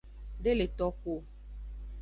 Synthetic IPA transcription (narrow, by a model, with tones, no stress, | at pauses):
ɖe˦le˨t̪ɔ˦ko˦